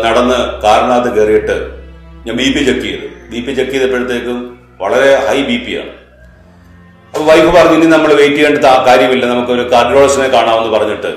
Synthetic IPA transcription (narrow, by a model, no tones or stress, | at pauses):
nɐɽɐnːɨkaːɾɐɳaːt̪ɨkerijiʈːɨɲaːnbiːpːit͡ɕekːijɐðɨbiːpːit͡ɕekːijɐðepːeɻɐt̪ːe̞ːkːɨ | ʋɐɭɐɾe̞hɐjbiːpːija̰ːɳɨ | ɐpːoʋɐjbɨpɐrɐɲːuinːinɐmːɐɭʋejtːijeːɳɖɨt̪akaːɾjɐmilːɐnɐmukːo̞ɾukːɐdɾoːɭɐsɐnekaːɳaːʋenːupɐrɐɲːiʈːɨ